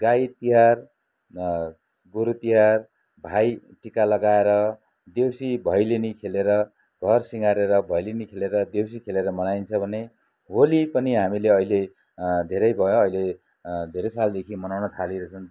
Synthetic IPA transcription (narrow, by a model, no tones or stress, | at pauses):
ɡajt̪iɦar | ɡuɾut̪iɦar | bʱajʈikalʌɡaeɾʌ | d̪ewsibʱʌjlinikʰeleɾʌ | ɡʱʌrsiŋɡaɾeɾʌbʱʌjlinikʰeleɾʌd̪ewsikʰeleɾʌmʌnajnt͡sʰʌbʱʌne | ɦolipʌniɦamileʌile | d̪ʱeɾʌjbʱʌjoʌile | d̪ʱeɾʌsald̪ekʰimʌnawnʌt̪ʰaliɾʌt͡sʰʌn